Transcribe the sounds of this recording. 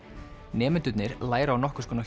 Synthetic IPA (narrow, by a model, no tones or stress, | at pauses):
nɛːmɪnt̪ʏt̪nɪɾlaːjɾaawnɔhkʏ̥skɔːna